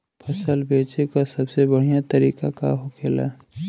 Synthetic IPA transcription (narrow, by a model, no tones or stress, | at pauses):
pʰəsəlbeːt͡ʃekasəbsebəɽ̤ijat̪əɾiːkaka̰ɦokʰeːla̰